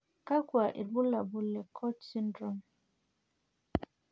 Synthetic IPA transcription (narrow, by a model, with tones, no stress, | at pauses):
ka˦kwa˨ʔḭ˨ɾbu˦la˨bu˨lɛ˨kʰɔ˦tsi˦ndɾɔ˨m